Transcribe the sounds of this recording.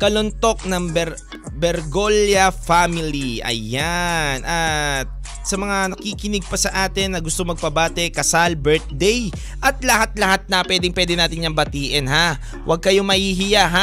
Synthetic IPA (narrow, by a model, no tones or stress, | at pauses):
kɐlont̪o̞k̚nɐŋbɛɾ | bɛɾɡoljɐfamɪliʔɐ̰janʔɐt̪̚ | sɐmɐŋanɐkiːkɪnɪɡ̚pɐsɐʔaːt̪ɪnːɐɡʊst̪omɐɡ̚pɐbaːt̪ɛkɐsalbɛɹt̪̚d̪ɛj | ʔɐt̪̚lɐhat̪̚lɐhat̪̚nɐpwɛːd̪ɪŋpwɛːd̪ɪnaːt̪ɪɲɲɐŋbɐt̪iːʔɛnɦa | wʔɐɡ̚kɐjo̞mɐhiːɦɪjaɦa